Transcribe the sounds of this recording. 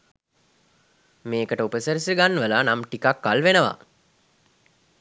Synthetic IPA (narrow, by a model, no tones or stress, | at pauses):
meːkəʈəupəsəɾisiɡanːəʋəlanamʈikakːalʋenəʋa̰